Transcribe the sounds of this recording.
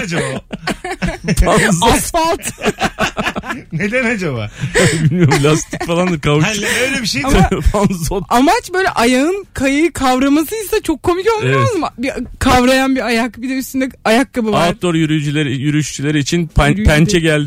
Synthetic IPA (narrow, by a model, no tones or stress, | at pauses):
d͡ʒaba | t̪ʰanzasfalˠt̪ | ned̪ænad͡ʒabaabilʲmʲijoumpʰlʲast̪ʰicfalˠand̪ɯɾkʰavuʃøjlʲɛbiʃejt̪ʰanzoamat͡ʃbø̞jlʲɛ̰ʔajaɯnkʰajajɯkʰavɾamasɯisɛt͡ʃʰo̞kʰːo̞mico̞lˠmieɛmɯzɯmbikʰavɾajanbiajakbid̪ʲeysind̪ɛajakːabɯvat̪ʰːoɾjyɾyjd͡ʒylʲeɾijyɾyʃt͡ʃʰylʲeɾiːt͡ʃʰinppʰænt͡ʃʰɛɟælʲd̪ɪ